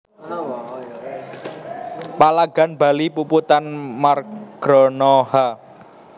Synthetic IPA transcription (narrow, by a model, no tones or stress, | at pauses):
palaɡ̥a̤nb̥a̤lipuput̪anmarɡ̥ɾɔnɔha